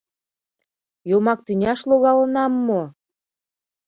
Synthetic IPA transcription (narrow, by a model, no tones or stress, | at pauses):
jolmɑk̚t̪ynʲɑʃloɣɑlɤ̆nɑmːo